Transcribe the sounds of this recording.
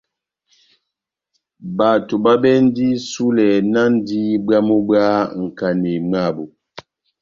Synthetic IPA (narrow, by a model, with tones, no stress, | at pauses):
ba˨to˨ba˦bɛ˦n̩˦di˦su˦lɛ˨na˦n˦di˦ba˦mo˦ba˦ŋ̩˨ka˨ne˨ma˦˨bo˨